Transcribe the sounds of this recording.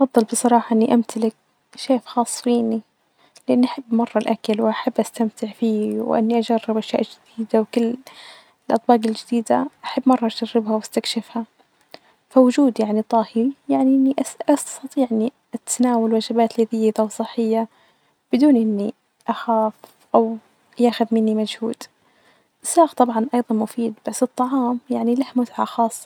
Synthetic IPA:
ʔfɑdðˤːɨlbɨsˤɑɾˤɑːħɑʔɪnːiʔamt̪ʰalɪk̚ | ʃeːfxɑːsˤːfiːni | lɪʔɪnːʔaħabːmɑrˤːɑlʔakalwʔaħabːʔast̪amt̪ʰɪʕfiːwʔɪ̰nːiʔad͡ʒarːɪbʔaʃja̰ːʔd͡ʒɪd̪̥iːd̪awkɪlː | ɪlʔɑt̪ˤbɑːqɪld͡ʒɪd̪iːd̪aʔaħabːmɑrˤːɑʔaʃarːɪbhawast̪akʃɪfha | fawʊd͡ʒuːd̪jaʕnit̪ˤɑːhɪɾijaʕniʔɪnːiʔaʔastt̪ɑt̪ˤiːʕʔɪnːi | ʔat̪naːwalwad͡ʒɪbaːt̪lɪðiːɪd̪awsˤɨħːɪjːa | b̥ɪd̪uːnʔɪnːi | ʔaxaːf | ʔaw | jaːxʊðmɪnːimad͡ʒhṵːd̪ | ʔɪsɑːɣt̪ˤɑbʕɑnʔɑjðˤɑnmʊfiːd̪b̥asːɨt̪ˤːɑʕɑːmjaʕnilahmʊt̪ʕaxɑːsˤːɑ̥

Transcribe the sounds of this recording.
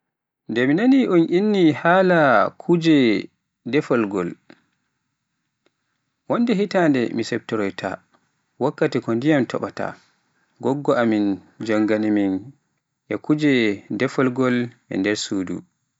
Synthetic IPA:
ndɛminaniʔɔnʔinːihaːlakʰud͡ʒɛ | dɛfɔlɡɔl | wɔndɛɦitandɛmisɛp̚tɔɾɔjtʰa̰ | wakːatikɔndijamtʰɔ̰ɓata̰ | ɡɔɡːɔʔamin | d͡ʒaŋɡanimin | ʔɛkud͡ʒɛdɛfɔlɡɔl | ɛ̰ndɛɾsuːdṵ

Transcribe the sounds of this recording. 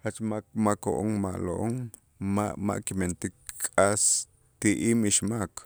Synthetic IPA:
hat͡ʃmamakoʔoŋma̰ʔlo̰ʔoŋ | maʔma̰ʔkiment̪ikkʼas | t̪iʔiːmiʃmak

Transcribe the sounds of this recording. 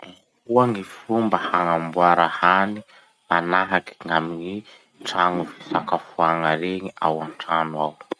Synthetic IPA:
kuaŋifumbahaŋambuaɾahani | manaɦaki̥ŋamiɲi | ʈ͡ʂaŋufisakafuaŋaɾeŋiʔa̰wanʈ͡ʂanwaw

